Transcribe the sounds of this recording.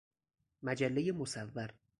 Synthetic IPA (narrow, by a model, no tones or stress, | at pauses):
mæd͡ʒælːejemosævːæɾ